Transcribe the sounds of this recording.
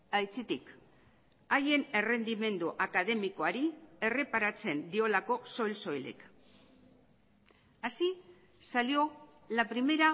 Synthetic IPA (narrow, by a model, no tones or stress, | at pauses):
ajt͡set̪ik | aje̞ne̞re̞nd̪ime̞nd̪uʔakaðe̞miko̞aɾie̞re̞paɾat͡se̞nd̪io̞lako̞so̞jlso̞jle̞̰k | asi | salio̞ | lapɾime̞ɾa